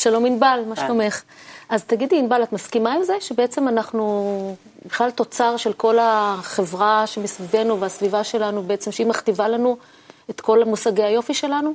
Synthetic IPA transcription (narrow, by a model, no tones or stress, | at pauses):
ʃalo̞minbalmaʃt̪aome̞χazt̪aɡid̪liːnbalat̪maskimaimzeʃebeet͡se̞manaχnu | biχlalt̪o̞t͡saʁʃe̞lko̞laχe̞vʁaʃemesvive̞nuveasvivaʃe̞lanubeet͡se̞mʃeimaχt̪ivalanu | et̪ko̞lamusaɡehajo̞fiʃe̞lanu